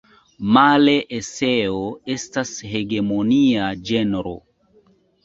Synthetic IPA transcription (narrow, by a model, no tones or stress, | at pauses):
male̞ʔeseoe̞stashe̞ɡe̞moniad͡ʒenɾo̰